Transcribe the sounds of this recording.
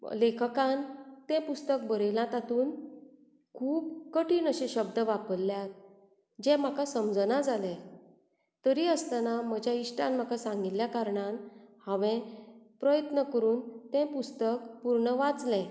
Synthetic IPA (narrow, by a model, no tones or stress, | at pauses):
lekʰəkãnt̪ɛ̃pust̪ək̚bəɾelãt̪at̪uːn | kʰuːbkəʈiːnəɕẽɕəb̚d̪əʋapəlːjat̪ | d͡ʑɛ̃m̤akasəmd͡zənad͡zalɛ̃ | t̪əɾiəst̪anaməd͡ʑjaiɕʈãnm̤akasãŋɡit̪ːjakaɾɳanhãʋɛ̃pɾəjət̪nəkəɾuːnt̪ɛ̃pust̪əkpuɾɳəʋad͡zlɛ̃